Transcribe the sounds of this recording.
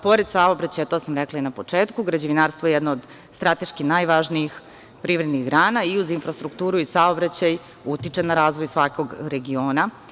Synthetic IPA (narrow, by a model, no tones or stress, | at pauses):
po̞ɾed̪saobɾat͡ɕajt̪osamɾɛklˠainapo̞t͡ʂeːt̪kuɡɾad͡ʑeʋinaːɾst̪ʋojejɛd̪noːd̪ | st̪ɾat̪e̞ʃkinajʋaʒniix | pɾiːʋɾed̪niɣɡɾaːnaiuzinfɾast̪ɾukt̪uːɾuisaobɾat͡ɕaj | ut̪it͡ʂenaɾaːzʋojsʋako̞ɡɾe̞ɡio̞ːna